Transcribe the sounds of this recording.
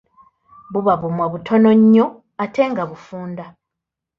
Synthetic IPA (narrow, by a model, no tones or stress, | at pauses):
βuβaβumwaβutʰo̞no̞ɲːo̞ | atʰe̞ŋɡaβufuːnda